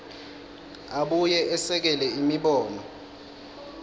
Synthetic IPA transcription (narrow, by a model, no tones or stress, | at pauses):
aɓujɛʔɛsɛk̬ɛlɛimiɓɔːnɔ